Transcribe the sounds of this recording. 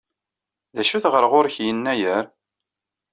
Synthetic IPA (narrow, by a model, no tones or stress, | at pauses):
ðæʃuθʁəɾʁʊɾçjənːæjəɾ